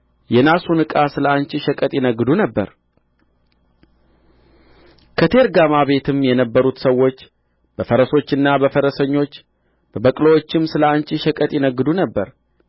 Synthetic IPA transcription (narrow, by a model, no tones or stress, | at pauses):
jɛnasunɨkʼasɨləant͡ʃʼɪʃəkʼət̪ʼjɪnəɡːɨd̪unəbːə̰ɾ | kʰət̪ʰe̞ɾɡamaβe̞t̪ʰɨmjɛnəbːəɾut̪səwːo̞t͡ʃː | b̥əfəɾəso̞t͡ʃːɨnːabəfəɾəsəɲːo̞t͡ʃː | b̥əbəkʼləwot͡ʃːɪmsɨləant͡ʃʼɪʃəkʼət̪ʼjɪnəɡːɨd̪unəbːəɾ